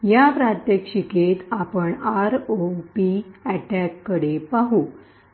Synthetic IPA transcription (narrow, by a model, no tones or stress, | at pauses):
japɾat̪jekʂiket̪apəɳaɾopiæʈakːəɽepaɦu